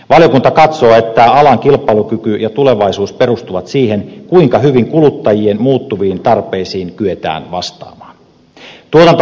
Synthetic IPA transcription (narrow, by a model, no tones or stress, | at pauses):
ʋɑlijo̞kunt̪ɑkɑt̪so̞ːe̞t̪ːæɑlɑŋk̟ilpːˑɑilukykyjɑt̪ule̞ʋɑisuːspe̞rust̪uʋɑt̪siːɦe̞nkuiŋkɑɦyʋiŋkulut̪ːɑjie̞nmuːt̪ːuʋiːnt̪ɑrpe̞ːsiːŋkyet̪æ̰ːnʋɑ̰st̪ɑ̰ːmɑːn | t̪uot̪ɑnt̪